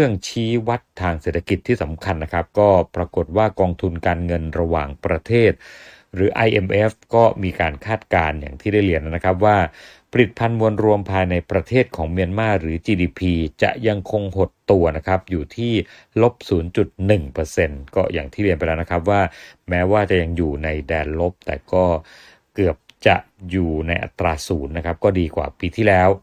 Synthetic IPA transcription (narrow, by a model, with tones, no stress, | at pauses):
ɯ˥˩əŋt͡ɕʰiː˦˥wa˦˥t̪ʰːaː˧ŋseː˨˩t̪ʰːa˧ki˨˩t̪ʰːiː˥˩sa˩˦mkʰa˧nːa˦˥kʰɾa˦˥p̚kɔː˥˩pɾa˧ko˨˩t̪̚waː˥˩kɔː˧ŋt̪ʰu˧nkaː˧nŋɤ˧nɾa˧waː˨˩ŋpɾa˧t̪ʰeː˥˩t̪̚ | ɾɯː˩˦ʔa˧jʔe˧mʔe˦˥fkɔː˥˩miː˧kaː˧nkʰaː˥˩t̪̚kaː˧nja̰ː˨˩ŋt̪ʰiː˥˩da˥˩jli˧˩ənː˥na˦˥kʰɾa˦˥p̬̚waː˥˩ | pʰa˧li˨˩t̪̚pʰa˧nmu˧ənɾu˧əmpʰaː˧jna˧jpɾa˧t̪ʰeː˥˩t̪̚kʰɔː˩˦ŋmi˧ənmaː˥˩ɾɯː˩˦t͡ɕiː˧diː˧pʰiː˧t͡ɕa̰˨˩ʔja˧ŋkʰo˧ŋho˨˩t̪ːu˧ɐna˦˥kʰa˦˥p̚juː˨˩t̪ʰiː˥˩ | lo˦˥p̚suː˩˦nt͡ɕu˨˩t̪̚nɯ˨˩ŋpɤː˧se˧nkɔː˥˩jaː˨˩ŋt̪ʰiː˥˩li˧ənpa˧jlɛː˦˥na˦˥kʰɾa˦˥p̬̚waː˥˩mɛː˦˥waː˥˩t͡ɕa˨˩ʔja˧ŋjuː˨˩na˧jdɛː˧nlo˦˥p̚t̪ɛ̰ː˨˩kɔː˥˩ | kɯ˨˩əp̚t͡ɕa̰˨˩ʔjuː˨˩na˧jʔa̰˨˩t̪ɾaː˧suː˩˦nːa˦˥kʰa˦˥p̚kɔː˥˩diː˧kwa̰ː˨˩piː˧t̪ʰiː˥˩lɛː˦˥w